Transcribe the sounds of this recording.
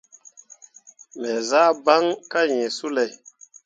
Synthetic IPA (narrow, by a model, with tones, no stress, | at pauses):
me˨za˦ba˦ŋka˦jẽ˨su˦lɛ˨j